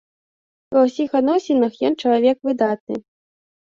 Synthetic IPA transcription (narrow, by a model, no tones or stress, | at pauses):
vɐwsʲixad̪nɔsʲɛnɐxjɔnt͡ʂɐlˠavʲɛkvɨd̪at̪̚nɨ̰